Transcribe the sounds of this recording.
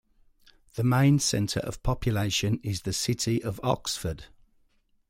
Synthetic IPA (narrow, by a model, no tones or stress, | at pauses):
ðəmẽɪ̃nsɛ̰̃ntʰə̰ɹʔə̰v̥pʰɒpʰjəleɪʃə̃nɪzðəsɪtʰɪʔəvɒksfəd̥